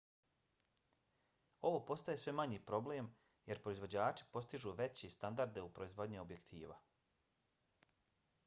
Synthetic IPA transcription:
o̞ʋo̞ːpo̞st̪ajesʋe̞maɲiːpɾo̞ble̞ːm | je̞ɾpɾo̞izʋo̞d͡ʑaːt͡ʃi̥po̞st̪iʒuːʋe̞t͡ɕest̪and̪aɾd̪e̞upɾo̞izʋo̞d̪ɲio̞bje̞kt̪ʰiːʋa̰

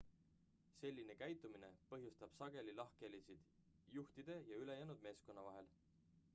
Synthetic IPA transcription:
se̞lʲːine̞kæjt̪ːˑumine̞pɤɦjust̪ɑb̥sɑɡ̥e̞lilɑhke̞lisid̪̥ | juht̪id̪̥e̞jɑyle̞jæːnud̪̚me̞ːsko̞nːɑvɑɦe̞l

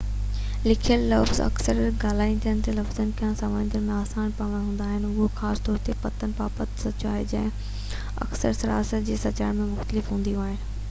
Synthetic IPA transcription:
lɪkʰijəllɐfzɐ̰ksəɾɡaːl̤aːint̪ʰijənɪ̆t̪elɐfzənɪ̆kʰãːsaːmə̃nd̪ʱənmẽaːsaːnpaːʋə̃nɦũːnd̪aːɦɪnɪʊɦoxaːst̪ɔːɾt̪epɐt̪ənɪ̆paːpət̪sɐt͡ɕaːɦed͡ʑɐ̃ɦɪ̃ | ɐ̰ksəɾsɐɾa̰ːsət̪d͡ʑeːsɐt͡ɕaːɪɾmẽmʊxt̪əlɪfɦũːnd̪ijũaːɦɪnɪ̆

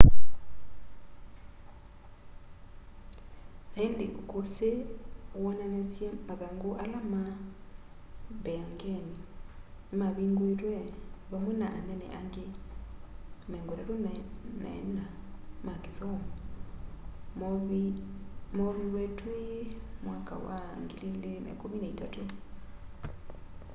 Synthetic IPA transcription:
naindḛkosewɔnanesjɛmaðaŋɡoʔalama | bɛŋɡɛni | maβiŋɡwetwɛβamwɛnaʔːnɛnɛ̰ʔaŋɡe | mɛŋɡoɾaɾonna̰namakesɔŋɔ | moβiwɛtwimwaka̰wa̰ŋɡililena̰kominaitatu

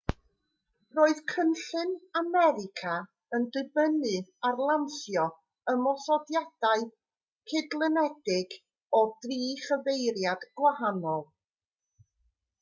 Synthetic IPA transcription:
roːɨð̥kʰənɬɨnamɛɾɪkʰa | əndɨbənɨarlˠanθjɔ | əmɔsɔdjad̥aɨ | kʰɪdlˠənɛdɪɡ | ɔdriːχəvejɾjad̥ɡ̥wahanɔlˠ

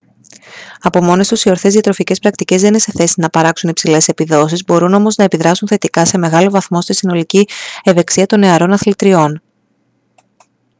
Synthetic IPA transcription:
ɐpo̞mo̞ne̞st̪usio̞ɾθe̞zðiɐt̪ɾo̞fice̞spɾɐk̚t̪ice̞zðe̞ninse̞θe̞sinɐpɐɾɐksunipsile̞sepiðo̞sizbo̞ɾuno̞mo̞znɐepiðɾɐsunθe̞t̪ikɐse̞me̞ɣɐlo̞vɐθmo̞st̪isino̞licieve̞ksiɐt̪o̞ne̞ɐɾo̞nɐθlit̪ɾio̞n

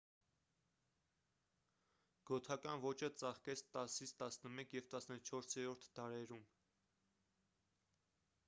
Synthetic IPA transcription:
ɡ̥ɔt̪ʰɑkɑnvɔt͡ʃət͡sɑχkɛt͡sʰt̪ɑsit͡sʰt̪ɑsnəmɛkʰjɛvt̪ɑsnət͡ʃʰɔɾsjɛɾɔɾt̪ʰd̪ɑɾɛɾum

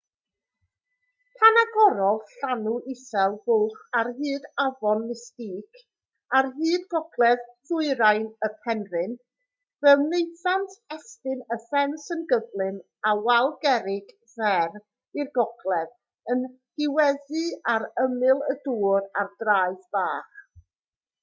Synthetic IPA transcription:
pʰanaɡɔɾɔlˠɬanuʔɪsɛlˠbʊlˠχarɦɨːdavɔnːɪstiːkʰ | arɦɨːdɡɔɡlˠɛð̥θʊɨɾajnəpʰɛnrɨn | vɛlˠnejθantʰɛstɨnəfɛnsənɡəvlˠɨn | awalˠɡɛɾɪɡ | vɛr | ɨrɡɔɡlˠɛð | ən | ɡ̥ɪwɛðɨaɾəmɨlˠəduːrardraɨðb̥aːχ

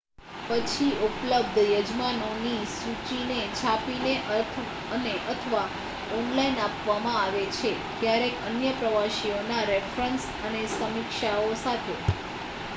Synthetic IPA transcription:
pət͡ʃʰiʔupləb̚d̪ʱjəd͡ʒmanonisut͡ʃinet͡ʃʰapineʔəɾt̪ʰ | əneʔət̪ʰəʋa | ɔnlainapʋamãaʋet͡ʃʰekjaɾekənjəpɾəʋaʃionaɾefɾəns | ənesəmikʃaosat̪ʰe

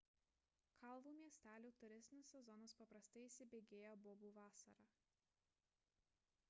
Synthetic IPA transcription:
kʰɐlˠʋuːmʲiɛsʲt̪ʲæːlʲuːt̪ʊɾʲɪsʲt̪ʲnʲɪsʲsʲɛzɔnoːspɐpɾɐst̪ɐɪisʲɪbʲeːɡʲeːjobɔːbuːʋɑːsɐ̰ɾɑ

